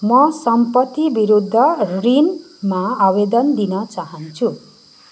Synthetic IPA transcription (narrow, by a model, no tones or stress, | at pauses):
mʌsʌmpʌt̪ːibiɾud̪ʱːʌrin | maabed̪ʌnd̪inʌt͡saɦʌnt͡sʰu